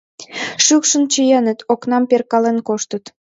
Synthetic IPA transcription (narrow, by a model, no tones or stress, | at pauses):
ʃykʃə̆nt͡ɕəjənə̆t̪oknɑmperkɑlenkoʃt̪ət̪